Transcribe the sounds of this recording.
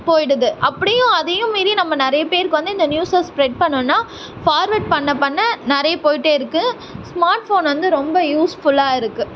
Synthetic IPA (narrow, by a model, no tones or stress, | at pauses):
poːjɪɽɐðɯʔɐpːɐɽɪjʊ̃ɐðɐjʊ̃miːɾinɐmːɐnɪɾɐjɐpeːɾkːɯʋɐnd̪ɯɪnd̪ɐnjuːsaspɾɛʈ̚pɐɳːɯnːaː | faːɾʋɐʈ̚pɐɳːɐpːɐɳːɐnɪɾɐjɐpoːjɪʈːeːɪɾɯkːɯ | smaːɾʈfoːnʋɐnd̪ɯɾɔmbɐjuːsfʊɭaːɪɾɯkːɯ